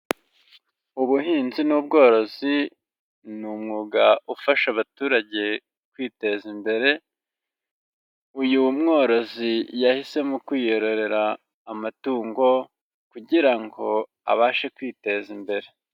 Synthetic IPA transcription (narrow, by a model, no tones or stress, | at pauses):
uβuhiːnzinuːbɡo̞ːɾo̞zi | numŋuːɡaufaʃaβatuːɾaɟe̞ | kwiːte̞zimbe̞ɾe̞ | ujumŋo̞ːɾo̞zijahise̞mukwiːjo̞ɾo̞ɾe̞ɾaː | matuːŋɡo̞ | kuɟiɾaŋɡo̞ | a̰βaːʃekwiːte̞zimbe̞ɾe̞